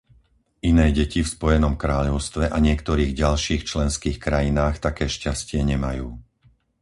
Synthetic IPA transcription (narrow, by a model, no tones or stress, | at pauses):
ʔinɛːɟɛcifspɔjɛnɔmkɾaːʎɔʊst̪ʋɛʔaɲɪɛkt̪ɔɾiːɣɟalʃiːxt͡ʃlɛnskiːxkɾajinaːxt̪akɛːʃcascɪɛɲɛmajuː